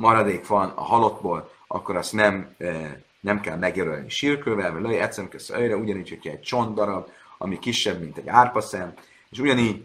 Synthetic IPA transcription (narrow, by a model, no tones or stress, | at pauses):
mɒɾɒd̪eːkʋɒnɒ̰ɦɒlo̞d̪boːl | ʔɒ̰kːo̞ɾɒst̪nɛm | nɛmkɛlmɛɡjøɾølniʃirkøːvɛlvɒløjɛt̪sɛmkøsøjɾɛuɟɒniːcʰhocʰɛɛɟ̚t͡ʃo̞nd̪ɒɾɒb | ɒmikiʃːɛbmint̪ɛɟaːrpɒsɛm | eːʃuɟɒniːɟ